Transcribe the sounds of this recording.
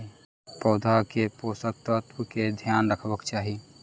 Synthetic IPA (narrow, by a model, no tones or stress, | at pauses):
pɔːd̪ʱakepoːsək̚t̪ət̪wəked̪ʱjaːnɾəkʰbəkt͡ʃaːɦi